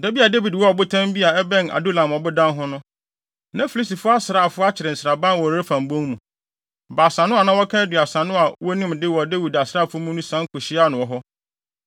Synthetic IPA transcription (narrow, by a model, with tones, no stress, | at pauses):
dɛ˦bi˦a˨de˦wi˨dwɔ˦ɔ˨bʊ˦tʰã˦m˦bi˦a˨ɛ˦bɛ̃˦na̰˨do˦lã˨mɔ˨bʊ˦dã˦nɦʊ̃˦nʊ̃˦ | nã˦fi˨li˦s̬i˨fʊ˦a˦sɾaː˦˨fʊ˦a˦t͡ɕʰɪ˨ɾɪ˨n̩˨sɾa˨bã˦nwɔ˨˦ɾe˦fã˨m˨bõ˦ŋmũ˨ | baː˨sã˨nʊ̃˦a˨nã˦wɔ˦kʰã˦dɥa˨sã˨nʊ̃˦a˨wɔ˦nũ˦mdɪ˦wɔ˨de˦wi˨da˨sɾaː˦˨fʊ˦mũ˦nũ˦sã˦ŋ˦kʰʊ˨ɕɪ˦a˦˨nʊ̃˨wɔ˨ɦɔ˦